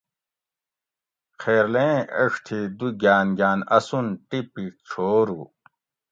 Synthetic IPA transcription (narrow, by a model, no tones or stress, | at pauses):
qʰeːɾlẽɐʂt̪ʰid̪uɡʲaːnɡaːnɐsunʈipiʈ͡ʂʰoːɾṵ